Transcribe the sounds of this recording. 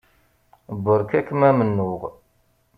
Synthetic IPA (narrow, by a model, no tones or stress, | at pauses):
bːəɾkækːəmæmənːʊʁ